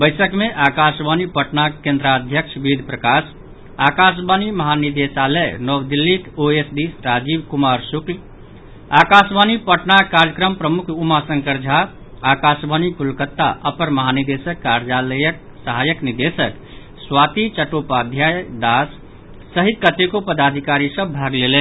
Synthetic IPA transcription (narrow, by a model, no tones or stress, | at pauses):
bəɪsəkmeʔakasbanipəʈnakẽnd̪ɾad̪ʱjəkʃʰbid̪ʱpɾəkas | akas̬baniməɦanid̪esaləjnɔwd̪ilːikoesd̪isɾad͡ʒibkumaɾsukl | akasbanipəʈnakaɾjəkɾəmpɾəmukʰumasə̃ŋkəɾd͡ʒʱa | akasbʱanikulkət̪ːa̰ʔəpəɾməɦanid̪esəkːaɾd͡ʒaləjək̚ | səɦajəknid̪esək | swat̪it͡ʃəʈopad̪ʱjad̪asː | əɦikət̪ekopəd̪ad̪ʱikaɾisə̃bbʱaɡlelen